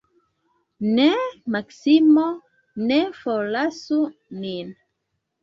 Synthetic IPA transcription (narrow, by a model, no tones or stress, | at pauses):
nemaksimo | nefolasunin